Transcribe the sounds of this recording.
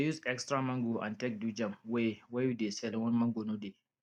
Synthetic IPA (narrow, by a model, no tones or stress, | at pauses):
ajuzɛkstɾamɐŋɡoʔa̰ntɛk̚dud͡ʒɐmwwajudesɛlwɐnmɐŋɡonude